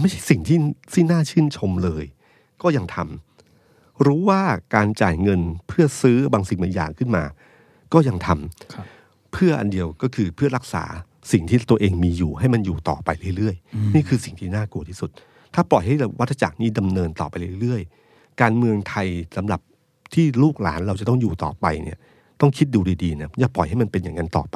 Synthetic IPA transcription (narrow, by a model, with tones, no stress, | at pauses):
ma˥˩jt͡ɕʰa˥˩jsi˨˩ŋt̪ʰiː˥˩t̪ʰiː˥˩naː˥˩t͡ɕʰɯː˥˩nt͡ɕʰo˧mlɤː˧j | kɔː˥˩ja˧ŋt̪ʰa˧m | ɾuː˦˥waː˥˩kaː˧nt͡ɕa̰ː˨˩jŋɤ˧npʰɯ˥˩ɐsɯː˦˥baː˧ŋsi˨˩ŋmɯ˨˩˦ja̰ː˨˩ŋkʰɯ˥˩nmaː˧ | kɔː˥˩ja˧ŋt̪ʰa˧m | pʰɯ˥˩ɐʔa̰˧ndi˧əwkɔː˥˩kʰɯː˧pʰɯ˥˩ɐɾa˦˥k̚sa̰ː˩˦ | si˨˩ŋt̪ʰiː˥˩t̪u˧ɐʔeː˧ŋmiː˧juː˨˩ɦa˥˩jma˧njuː˨˩t̪ɔ̰ː˨˩pa˧jɾɯ˥˩˨ɾɯ˥˩əjniː˥˩kʰɯː˧si˨˩ŋt̪ʰiː˥˩naː˥˩ku˧ət̪ʰiː˥˩su˨˩t̪̚ | t̪ʰːaː˥˩plɔ˨˩jɦa˥˩jwa˦˥t̪ʰːa˧t͡ɕa̰ː˨˩k̚niː˥˩da˧mnɤː˧nt̪ɔː˨˩pa˧jɾɯ˥˩jɾɯ˥˩əj | kaː˧nmɯ˧əŋt̪ʰa˧jsa˩˦mɾa˨˩p̚ | t̪ʰiː˥˩luː˥˩k̚laː˩˦nɾa˧wt͡ɕa˨˩t̪ɔ˥˩ŋjuː˨˩t̪ɔː˨˩pa˧jnḭ˥˩ɐ | t̪ɔ˥˩ŋkʰi˦˥t̪̚duː˧ɾiː˧diː˧na˦˥jaː˧˩plɔ˨˩jɦa˥˩jma˧npe˧njaː˨˩ŋːa˧nt̪ɔ̰ː˨˩pa˧j